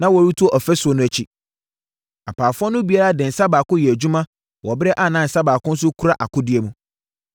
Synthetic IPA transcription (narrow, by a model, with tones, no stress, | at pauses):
nã˦wɔ˨ɾu˦tʰu˦ɔ˦ʔɔ˨fɛ˦sʊ˨ɔ˨nʊ̃˦æ˨t͡ɕʰi˦ | a˨pʰaː˨fʊ˦ɔ˦nʊ̃˦bi˨a˦ɾa˦dɪ̃˨n̩˨sa˦baː˨kʊ̃˦jɛ˨æ˨d͡ʑu˦mã˦ | wɔ˨bɪ˦ɾɛ˦ʔa˦˨nã˦˨n̩˨sa˦baː˨kʊ̃˦n̩˦s̬ʊ˦kʰu˦ɾa˦ʔa˨kʊ̃˦dɪ˨˦e˨˦mũ˦